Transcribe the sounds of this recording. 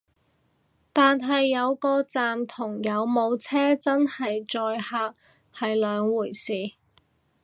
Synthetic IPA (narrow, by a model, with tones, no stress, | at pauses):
t̪aː˨nɦɐ˨jːɐ˨˧wkɔː˧t͡saː˨mt̪ʰʊ˨˩ŋjɐ˨˧wmo˨˧wt͡sʰɛː˥t͡sɐ˥nhɐ˨jt͡ʃɔː˧jhaː˧k̚ | hɐ˨jlœː˨˧ŋwuː˨˩jsiː˨